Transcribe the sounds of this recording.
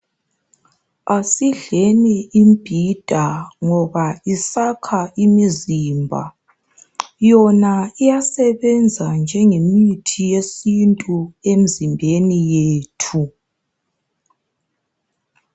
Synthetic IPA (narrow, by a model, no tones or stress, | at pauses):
asiɮɛnɛimb̥ʱid̥ʱaŋɔβaisakʰaimiziːmbʱa̰ | jɔnaijasɛβɛnd͡zʱand͡ʒʱɛŋemitʰijesintʼuem̩zimbʱenijeːtʰu